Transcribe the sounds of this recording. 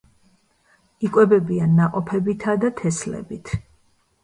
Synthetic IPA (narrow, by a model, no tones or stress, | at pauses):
ikʼwɛbɛbianːaqʼɔpʰɛbit̪ʰad̪at̪ʰɛslɛ̰bit̪ʰ